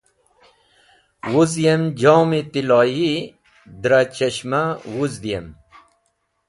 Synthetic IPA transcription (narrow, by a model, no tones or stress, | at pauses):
wuzjemd͡ʑoːmit̪ilɑːji | d̪ɾat͡ɕɐɕmawuzd̪ijem